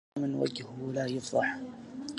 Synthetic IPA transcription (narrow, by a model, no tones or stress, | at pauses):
mɪnwa̰d͡ʒhlaːjʊfɾˤɑħ